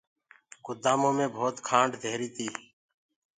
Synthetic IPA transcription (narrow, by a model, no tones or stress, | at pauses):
kʊd̪aːmõːmẽːbʱoːt̪kʰãːɳɖd̪ʱeːɾiːt̪ʰiː